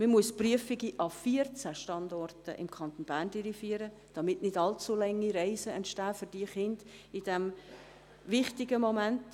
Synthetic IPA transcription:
məmuəspryəfɪɡiʔɑfiərt͡sæʃtɑndɔrtə̰ʔɪ̰mkʰɑnt̪onb̥æːrndiɾifiːəɾə | d̥ɑmɪtnɪdɑlt͡sulɛŋːiɾɛɪsəɛntʃtæːfʏɾd̥iːəχɪnd̥ɪd̥ɛm | vɪχtɪɡəmomænt

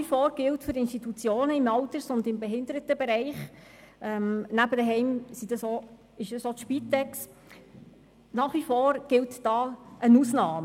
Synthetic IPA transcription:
ifoːɾɡ̥ɪltfyɾɪnʃtitut͡sjoːnəɪmɑltəɾsʊndɪmbɛɦɪnd̪əɾətəbeɾɛɪχ | ʔɛmnæbəd̪əɦɛɪmsid̥ɑso | ɪʃdɑsoʃpit̪ɛks | nɑːχʋifoːɾɡ̥ɪltd̥ɑːənuːsnɑːmə

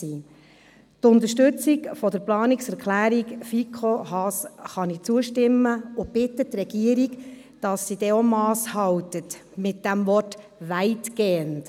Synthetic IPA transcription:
iː | tʊnt̪əʃtʏt͡sikfɔdəɾplɑːniksɛɾkχlæːɾikfikʰohɑsχɑnit͡suəʃtɪmːəʊbɪtːətːɾɛɡ̥iəɾiɡ | d̥ɑsːid̥ɛomɑːshɑwtətmɪt̚d̥æmvɔrt | ʋæɪtɡ̥eːənt

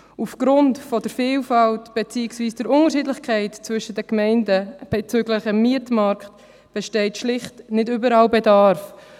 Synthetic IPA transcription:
ufɡ̥ɾʊntfɔdəɾfiːlfɑltb̥et͡siːksviːsd̥əɾʊŋəɾʃidlɪxkʰæɪtt͡svʏʃədəkmɛɪndəb̥et͡sʏɡlɪχəmːiətmɑɾkt | b̥ɛʃtɛɪtʃlɪχtnɪdʏbəɾɑːlbedɑɾf

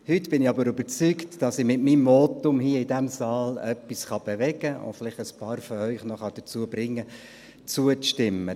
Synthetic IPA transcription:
hʏt̪b̥ɪnɪɑbəɾʏbəɾt͡syktd̥ɑsɪmɪtmimːɔtʊmhiəɪdæmsɑːlœpːisχɑb̥evɛɡəʊ̰fɪlɪχtəspɑːɾfɔœʏχnɔχɑd̥ət͡suəbɾɪŋːə | t͡suəʃtɪmːə

